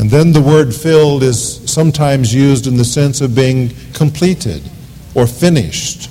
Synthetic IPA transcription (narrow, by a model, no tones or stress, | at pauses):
ɨ̃nðɨ̃nðəwɜ˞dfɪlˠdɪz̥sʌ̃mtʰãɪ̃mzjʉzdɨ̃nðɨsɛ̃nsʌvbiɪ̃ŋ | kʰə̃mpʰl̥iɾɪ̰ɾ | ə˞fɪ̃nɪ̰ʃt